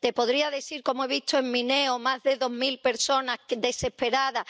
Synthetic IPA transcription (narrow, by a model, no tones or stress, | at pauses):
t̪e̞po̞ðɾiaðe̞θiɾko̞moe̞β̞it̪oeŋmĩneomazðe̞ðo̞ɦmilpe̞ɾso̞nad̪e̞se̞hpe̞ɾaða